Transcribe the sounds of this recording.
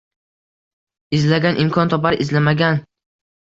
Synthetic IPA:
ɪzlaɡʲanʔɪmkʰɒnt̪ʰɒpaɾʔɪzlamaɡʲan

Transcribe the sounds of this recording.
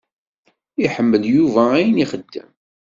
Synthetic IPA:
iħəmːəljuvææjniχəd̪ːə̰m

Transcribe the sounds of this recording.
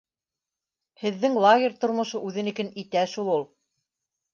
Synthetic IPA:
hɘ̆ðːɘŋlˠaɡʲɪɾʲt̪ŏɾmŏʃoʔʉðɘnikænit̪æʃulˠulˠ

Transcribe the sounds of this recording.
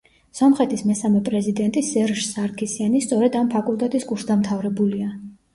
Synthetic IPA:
sɔmχɛt̪ʰismɛsamɛpʼɾɛzid̪ɛnt̪ʼisɛɾʒsaɾkʰisianist̪sʼɔɾɛd̪ampʰakʼulˠt̪ʼɛt̪ʼiskʼuɾsd̪amt̪ʰavɾɛbulia

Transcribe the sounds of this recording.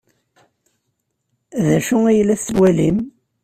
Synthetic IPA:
ðæʃʊijəlːæθːwælim

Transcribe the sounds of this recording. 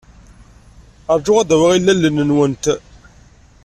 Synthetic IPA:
əɾˤd͡ʒʊʁæðæwiʁilːælːənənwənt̪

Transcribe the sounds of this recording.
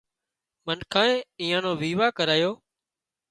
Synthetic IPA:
mənkʰãːẽːiːãːnõːʋiːʋaːkəɾaːjoː

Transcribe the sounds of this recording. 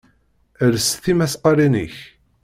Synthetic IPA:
əɾsθimæsqɑɾinə̰ç

